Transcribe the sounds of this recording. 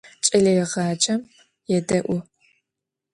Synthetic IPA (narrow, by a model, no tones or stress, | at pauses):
t͡ʃʼɐlɐjɛʁɑːt͡ʃʼɐm | jɛdɐʔʷʊ